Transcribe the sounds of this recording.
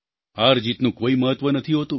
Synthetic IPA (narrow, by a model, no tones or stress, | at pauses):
aɾd͡ʒit̪nũkoiməɦət̪ʋənət̪ʰiɦot̪ũ